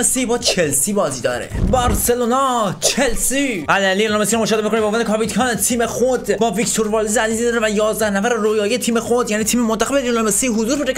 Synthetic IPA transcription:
esiːbɒːt͡ʃʰelsibɒːziːd̪ɒ̰ːɾḛbɒɾselonɒːt͡ʃʰelsiælælilomesiɾmoʃɒːd̪emikoniboːvænd̪ekʰɒpit̪kʰɑːnt̪ʰiːmexod̪bɒːvikt̪ʰoɾbɒːlizæzizid̪ɒɾevæjɒːzd̪æhnæfæɾerojɒːjiet̪ʰiːme̞xod̪jæniːt̪ʰiːmemont̪ʰæɣebelilomesiɦozuːɾbeɾe

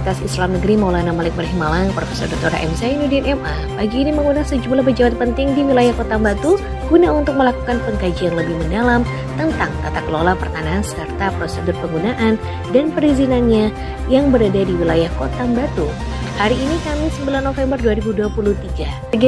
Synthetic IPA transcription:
t̪asislamnəɡəɾimawlanamalɪk̚məɾɦimalaŋpɾofesɔrdɔt̪oɾa̰ʔɛmsanudiɛnɛmʔa | bad͡ʒiːniməŋɡunasəd͡ʒumlahbəd͡ʒabat̪̚pənt̪ɪŋdiwilajahkot̪ambat̪u | ɡ̥unaunt̪ʊk̚məlakukanpəŋkad͡ʒiaŋləbɪhməndalam | t̪ənt̪aŋt̪at̪akəlolapərt̪anaɦansərt̪apɾosədʊrpəŋɡunaʔan | danpəɾizinanɲa | jaŋbəɾadadiwilajahkot̪ambat̪u | haɾiːnikamɪsəmbilanːofɛmbərduaɾibuduapuluht̪iɡa | əɡ

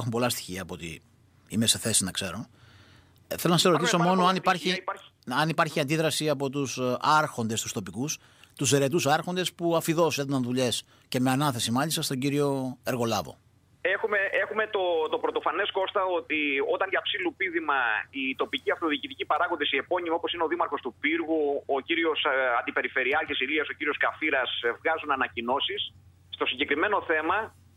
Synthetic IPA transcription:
xumpo̞lɐst̪i̥çiɐːpoot̪ḭ | ime̞se̞θe̞sinɐkse̞ɾo̞ | θelo̞nɐsesɾo̞t̪iso̞mo̞noɐnitpɐɾçiɐnipɐɾçiɐnd̪iðɾɐsiɐpo̞t̪usɐɾxo̞nd̪e̞st̪ust̪o̞pikus | t̪us̬eɾe̞t̪usɐɾxond̪e̞spuɐfiðo̞seðunɐnðuʎe̞s | ce̞me̞ɐnɐθe̞simɐʎist̪ɐst̪o̞ɲɟiɾio̞e̞ɾɣo̞lɐvo̞̰ | exume̞e̞xume̞t̪o̞t̪o̞pɾot̪o̞fɐne̞sko̞st̪ɐo̞t̪io̞t̪ɐɲʝɐpsilupiðimɐit̪o̞piciɐft̪o̞ðiːcit̪icipɐɾɐɣond̪esie̞po̞ɲimiopo̞sineo̞ðimɐɾxo̞st̪upiɾɣuociɾio̞sɐnd̪ipe̞ɾife̞ɾiɐcesiliɐso̞ciɾio̞skɐfiɾɐsevɣɐzunɐnɐcino̞sisː | t̪o̞siɲɟe̞kɾime̞no̞θe̞mɐ

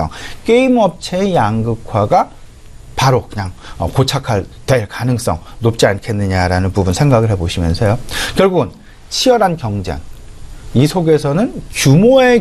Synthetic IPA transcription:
ʌ̰ŋk͈eimʌp̚t͡ɕʰejaŋɡɯkʰwaɡa | paɾokɯɲaŋʌ̰kot͡ɕʰakʰaɭtwe̞ɭkanɯŋs͈ʌ̰ŋnop̚t͡ɕ͈iankʰe̞nːɯɲaɾanɯnpubunsʰe̞ŋɡaɡɯɭɦe̞boɕʰimjʌnsʰʌjokjʌɭɡuɡɯn | t͡ɕʰiʌɾɦankjʌŋd͡ʑa̰ŋ | isʰoɡe̞sʰʌnɯnkjumoe

